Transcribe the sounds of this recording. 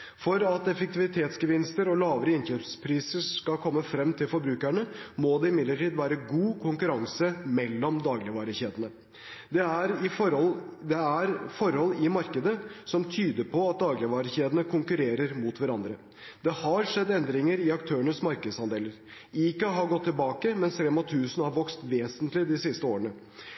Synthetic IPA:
fɔɾɑt̪ɛfək̚t̪ɪʋɪt̪ʰeːt̪sɡəʋɪnst̪əɾɔlɑːʋəɾəɪnçøːpspʰɾiːsəʂkɑlkʰɔmːəfɾɛmːt̪ʰɪlfɔɾbɾʉːkæɳəmod̪ɛɪmɪd̪ləʈiːd̪ʋæːɾəɡuːkʰʊŋkʉɾɑŋsəmɛlːɔmd̪ɑːɡlɪʋɑːɾəçeːd̪ənə | d̪ɛæɾɪfɔɾɔld̪ɛæɾfɔɾhɔlːɪmɑɾkəd̪əsɔmt̪ʰyːd̪əɾpʰɔɑt̪̚d̪ɑːɡlɪʋɑːɾəçeːd̪ənəkʰʊŋkʉɾeːɾəɾmut̪ʋæɾɑnd̪ɾə | d̪̥ɛhɑɾʂɛd̪ːɛnd̪ɾɪŋəɾɪɑkt̪ʰøːəɳəsmɑɾkəd̪sɑnd̪eːləɾ | iːkɑɦɑɾɡɔt̪ʰːɪlbɑːkəmɛnsɾɛmɑt̪ʰʉːsən̩hɑɾʋɔkst̪ʋeːsənt̪lɪd̪ɪsɪst̪əoːɾəɳə

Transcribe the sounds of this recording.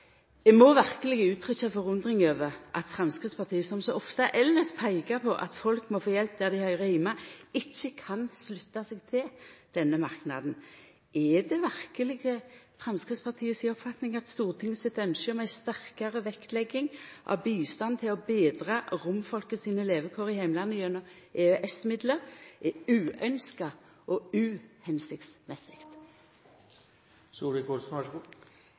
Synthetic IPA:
d̪ɛmɔʋæʁkəlɪɡəʉːt̪ʰʁʏçɑfɔʁʉnd̪ʁɪŋøːʋəʁʔɑ̰t̪fʁɛmskɪt̪spʰɑʁt̪ʰiːəsɔmsɔʔɔft̪ɑʔɛlːəspʰæɪɡɑpʰɔʔɑ̰t̪fɔlkmɔfoːjɛlp̚d̪æʁd̪ɪhœʏʁəhæɪmɑɪçːəkʰɑnslʉt̪ːɑsɛɡt̪ʰɪld̪̥ɛnːəmɑʁknɑ̰d̪n̩ | ʔɛd̪ɛʋæʁkəlɪɡəfʁɑmskʁɪt̪spʰɑʁt̪ʰiːəsiɔpfɑt̪nɪŋɑt̪st̪uːʁt̪ʰɪŋːəsɪt̪œnʃəmæɪst̪æʁkɑʁəʋɛkt̪lɛɡːɪŋʔɑ̰ʋbiːst̪ɑnt̪ʰɪlɔbeːd̪ʁɑʁʊmfɔlkəsiːnəleːʋəkʰoːʁɪhæɪmlɑnːəjœnːɔ | ʔeːœʔɛsmɪd̪ləʁʔɛʉːœnskɑ | ʔɔʉːhɛnsɪkt̪smɛsɪkt̪ | suːɾəko

